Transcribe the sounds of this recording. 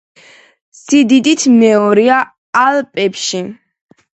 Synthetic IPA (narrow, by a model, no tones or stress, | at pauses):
sid̪id̪it̪ʰmɛɔɾia | alpʼɛpʃi